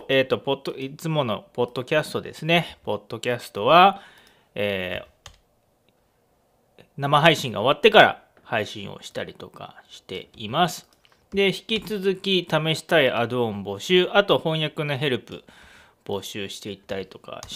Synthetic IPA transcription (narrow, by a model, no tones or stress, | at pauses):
eːt̪ːo̞pooit͡sɨmo̞no̞po̞d̪̥ːo̞kʲasɨ̥t̪o̞d̪e̞̰sɨne̞po̞d̪̥ːo̞kʲasɨ̥t̪o̞βa | eː | namaɦaiɕĩŋɡa̰o̞β̞at̪ːe̞kaɾa̰ | haiɕĩɰ̃o̰ɕi̥t̪aɾʲit̪o̞ka̰ɕi̥t̪e̞̰imasɨ̥ | d̪e̞çi̥kʲit͡sɨzɨkʲit̪ame̞ɕi̥t̪aiʔad̪oõ̞mbo̞ɕɨːʔat̪o̞hõ̞ɰ̃jakɯ̟no̞ɦe̞ɾɯ̟pɯ̟̰ | b̥o̞ɕɨːɕi̥t̪e̞it̪ːaɾʲit̪o̞ka̰